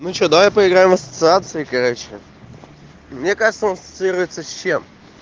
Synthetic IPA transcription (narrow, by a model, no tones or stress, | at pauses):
mut͡ɕod̪vapəɪɡɾajɪmɐsə̥t̪sɨat̪sɨɪkɐɾot͡ɕɪ̰ | mnʲekaʐɨt̪səsə̥t̪sɨiɾʊjɪt̪səːem